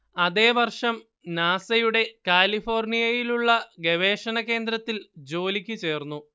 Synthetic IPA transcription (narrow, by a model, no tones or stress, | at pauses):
ɐðe̞ːʋɐrʂɐm | naːsɐjuɽe̞kaːlifo̞ːrnijɐjiluɭːɐɡe̞ʋe̞ːʂɐnɐke̞ːnd̪ɾɐt̪ːild͡ʑo̞ːlikʲːɨt͡ɕe̞ːrnːu